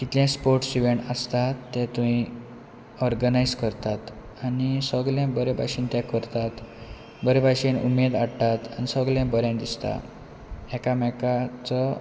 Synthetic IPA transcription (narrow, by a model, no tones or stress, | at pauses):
kit̪ljãspoɾʈsiʋeɳʈəst̪at̪ːɛ̃t̪ũɦi | ɔɾɡənajd͡zkəɾt̪at̪ | anisəɡljãbəɾebʱa̰ɕiːnt̪jakəɾt̪at̪ | bəɾebʱaɕinṵmed̪aɽʈat̪anisəɡljãbəɾjãnd̪ist̪a̰ | ɛkamɛkat͡sɔ